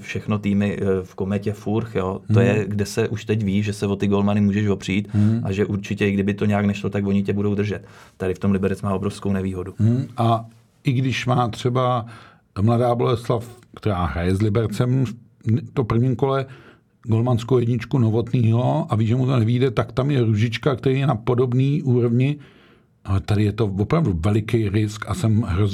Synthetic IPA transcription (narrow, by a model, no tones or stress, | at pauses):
fʃɛxno̞t̪iːmɪfko̞mɛcɛfuɾxjo̞t̪ojɛɡdɛsɛʔuʃt̪ɛcviːʒɛsɛvo̞t̪ɪɡo̞lmanɪmuːʒɛʃvo̞pr̝̥iːt̪ʔaʒɛʔuɾt͡ʃɪcɛɪɡdɪbɪt̪o̞ɲɛjaknɛʃlo̞t̪akvoɲɪcɛbudo̞wd̪r̩ʒɛt̪t̪ːaɾɪft̪o̞mlɪbɛɾɛt͡smaːo̞bɾofskownɛviːɦo̞duʔa | ʔɪɡdɪʃmaːt̪r̥ɛba | mladaːbolɛslafkt̪ɛɾaːɦɾajɛzlɪbɛɾt͡sɛmf | t̪opr̩vɲimko̞lɛ | ɡo̞lmanskowjɛdɲɪt͡ʃkuno̞vo̞t̪niːɦo̞ʔaviːʒɛmut̪o̞nɛviːdɛt̪akt̪amjɛɾuʒɪt͡ʃkakt̪ɛɾiːjɛnapo̞do̞bniːʔuːɾo̞vɲɪ | t̪adɪjɛt̪o̞vopɾavduvɛlɪkejɾɪskasɛmɦɾoz